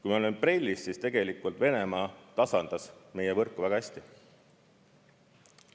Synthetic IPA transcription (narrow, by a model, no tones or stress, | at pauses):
kujmɑolempre̞lʲːisːist̪e̞ɡ̥e̞likːˑult̪ve̞ne̞mɑːt̪ɑsɑnd̪̥ɑsme̞jevɤrkːuvæɡ̥ɑæsʲt̪i